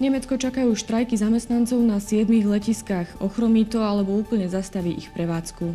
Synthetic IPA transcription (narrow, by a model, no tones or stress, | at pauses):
ɲɛmɛt͡skɔt͡ʃakajuːʃt̪ɾajkizamɛst̪nant͡sɔʊnasɪɛd̪miɣlɛciskaxɔxɾɔmiːt̪ɔalɛbɔuːpl̩ɲɛzast̪aʋiːʔixpɾɛʋaːt͡sku